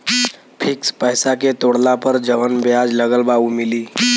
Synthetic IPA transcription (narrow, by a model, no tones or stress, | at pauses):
pʰikspəɦsaket̪oɽlapəɾd͡ʒəʋənbjad͡ʒləɡəlbaumiliː